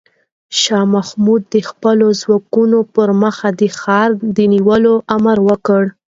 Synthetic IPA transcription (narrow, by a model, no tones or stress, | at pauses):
ʃɑmahmud̪̚ːəxpəlozwɑkunopəɾməxad̪əxɑɾd̪əniwəloʔamaɾwəkəɽ